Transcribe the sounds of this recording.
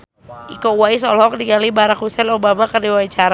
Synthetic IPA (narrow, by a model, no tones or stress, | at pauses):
ʔikɔuwaisɔlɔk̚diɡalibaɾak̚husɛlobamakərdiwait͡ʃaɾa